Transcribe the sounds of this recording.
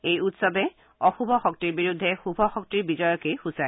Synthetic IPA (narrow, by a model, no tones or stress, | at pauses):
ejutsɔbɛ | ɔxubʱɔxɔk̚tiɹbiɹud̪ʱːɛxubʱɔxɔk̚tiɹbizɔjɔkejxusaj